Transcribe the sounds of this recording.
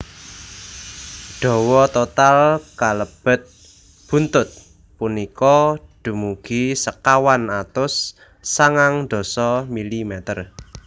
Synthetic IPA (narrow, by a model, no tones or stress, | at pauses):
ɖ̪̥ɔ̤wɔt̪ot̪alkaləb̥ə̤t̪̚ | b̥ṳnt̪ʊt̪̚ | punikɔɖ̪̥ṳmuɡ̥isəkawanat̪ʊsː | aŋaŋd̪̥o̤sɔmilimɛt̪ər